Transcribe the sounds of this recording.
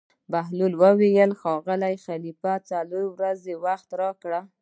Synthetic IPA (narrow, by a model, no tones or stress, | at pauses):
baɦlulwəwijəlxɑɣəlajxalifat͡saloɾwɾazewaxt̪ɾɑkɽa